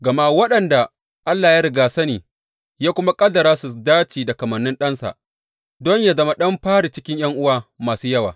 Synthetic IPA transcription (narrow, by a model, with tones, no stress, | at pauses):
ɡɐ˨ma˦wɐ˦ɗɐ˨nda˨ | ʔa˦lːaː˨jaː˦ɾɪ˨ɡaː˨sɐ˦neː˨ | jaː˦kʷʊ˦ma˦kʼɐ˦dɐ˨ɾaː˦su˨daː˦t͡ʃiː˨da˨kɐ˨mɐ˨nːɪ˦nɗɐ˦nsa̰˨ʔ | dɔ˦ɲja˨zɐ˦ma˦ɗɐ˦mɸaː˦ɽi˨t͡ʃɪ˦kʲɪ˦ɲjɐ˦ŋʔʊ˦waː˨maː˨suː˦jɐ˦wa̰ː˨